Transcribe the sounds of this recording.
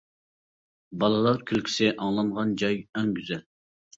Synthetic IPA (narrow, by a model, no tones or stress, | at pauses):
bɑlˠɨlˠɑɾkʲʰylkʲʰi̥sɪʔɑŋlˠɑŋʁɑnd͡ʒɑjɛŋɡʲyzɛl